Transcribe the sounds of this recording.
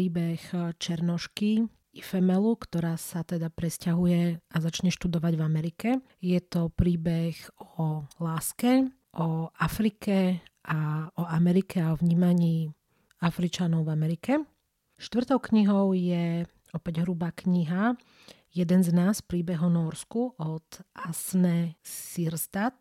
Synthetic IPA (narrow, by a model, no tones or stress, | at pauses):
iːbɛxt͡ʃɛɾnɔʃki | ifɛmɛlukt̪ɔɾaːsat̪ɛd̪apɾɛscaɦujɛʔazat͡ʃɲɛʃt̪ud̪ɔʋaɟvamɛɾikɛ | jɛt̪ɔpɾiːbɛxɔlaːskɛ | ʔɔafɾikʰɛʔaɔamɛɾikʰɛaɔʋɲiːmaɲiː | afɾit͡ʃanɔʊvamɛɾikɛ | ʃt̪ʋr̩t̪ɔʊkɲiɦɔʊjɛ | ɔpɛɟɦɾubaːkɲiɦa | jɛd̪ɛnznaːspɾiːbɛɦɔnɔɾskuʔɔt̪ʔasnɛsiɾst̪at̪